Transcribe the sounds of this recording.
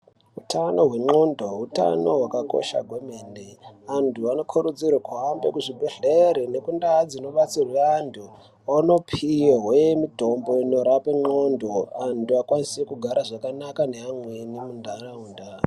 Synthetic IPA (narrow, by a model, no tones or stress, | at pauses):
utʰano̞ɦwe̞ŋ͡ǃondo̞uta̰no̞ɦwakako̞̰ʃa̰ɡʱomeːndeantʰuano̞kʰuɾud͡zirwakuambe̞kuʐibʱeɮeɾine̞kundaːd͡zino̞ɓat͡sirweantʰu | ano̞pʰijaɦwemito̞mbo̞ino̞ɾapeŋ͡ǃo̞ndo̞antuakwanisekuɡʱaɾaʐakanakaneamwenimundʱaraunda